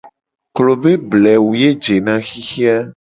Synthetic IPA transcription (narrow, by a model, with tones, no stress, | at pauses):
klo˨be˦blɛ˨wu˨je˦d͡ʒe˨nã˦xi˦xi˦a˦